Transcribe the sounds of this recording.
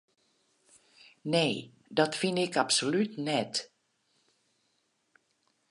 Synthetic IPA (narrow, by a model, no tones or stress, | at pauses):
nej | dɑtfɪndɪkɑpsolytnɛt